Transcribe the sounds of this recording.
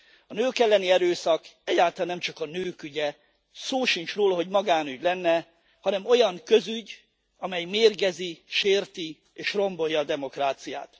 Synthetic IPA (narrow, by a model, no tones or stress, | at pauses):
ɒnøːkɛlːɛniɛɾøːsɒkɛɟːaːlt̪ɒlanːɛmt͡ʃɒkɒnøːkyɟɛ | soːʃint͡ʃroːlɒɦo̞ɟmɒɡaːnyɟlɛnːɛ | hɒnɛmo̞jɒŋkø̞zyɟ | ɒmɛjmeːrɡɛziʃeːrt̪i | eːʃro̞mbo̞jːɒːd̪ɛmo̞kraːt̪sija̰ːt̪